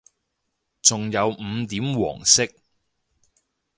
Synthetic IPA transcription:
t͡sʊ˨ŋjɐ˨˧wm̩˨˧t̪iː˨˥mwɔ̰ː˨˩ŋsɪ˥k̚

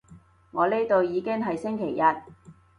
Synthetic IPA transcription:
ŋɔː˨˧le˥jt̪o˧wjiː˨˧kɪ˥ŋɦɐ˨jsɪ˥ŋkʰe˨˩jːɐ˨t̚

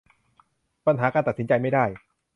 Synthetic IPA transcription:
pa˧nɦaː˩˦kaː˧nt̪a˨t̪̚si˩˦nt͡ɕa˧jma˥˩jdaː˥˩j

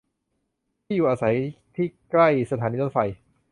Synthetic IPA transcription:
iː˥˩juː˨˩ʔaː˧sa˩˦jt̪ʰiː˥˩kla˥˩jsa˧t̪ʰaː˩˦niː˧˥nfa˨˩j

